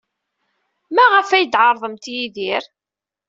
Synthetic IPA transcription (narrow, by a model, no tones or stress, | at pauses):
mæʁəfæjd̪ʕɑɾˤðˤəmt̪jiðiɾ